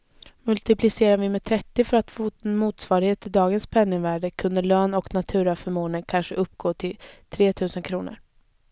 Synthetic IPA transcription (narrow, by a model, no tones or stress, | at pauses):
mɵlt̪ɪpʰlɪseːɾaɾvɪmɛt̪ʰɾɛt̪ːɪfœɾat̪fːnmuːt̪svɑːɾɪheːt̪ɪd̪ɑːɡənspʰɛnːɪŋvæːɖəkʰɵnd̪əɭøːnɔknat̪ʰʉ̟ːɾafœɾmoːnəkʰanʂəʔɵpːɡoːt̪ʰɪlt̪ʰɾeːt̪ʰʉ̟ːsənkʰɾuːnə̰ɾ